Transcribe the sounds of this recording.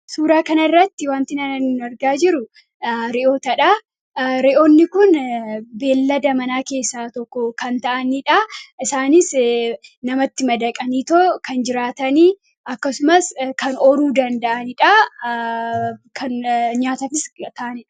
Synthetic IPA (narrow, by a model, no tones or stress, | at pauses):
suːɾaːkɐnɐrːɐt̪ːɪwaːnt̪ɪnɐnɐnnɐɾɡaːd͡ʒɪɾʊ | ɾɛʔoːt̪ɐᶑa | ɾɛʔoːnːɪkʊnbe̞ːlːɐd̪ɐmɐnaːke̞ːsːaːt̪ɔkːɔkɐnt̪ɐʔɐniᶑɐɪsaːnɪs | nɐmɐt̪ːɪmɐd̪ɐkʼɐniːt̪oːkɐnd͡ʒɪɾaːt̪ɐniː | ɐkːɐsʊmɐskɐnɔɾuːd̪ɐnd̪ɐʔɐnɪᶑɐ | kʰɐnɲaːt̪ɐfɪst̪ɐʔɐnɛᶑɐ̥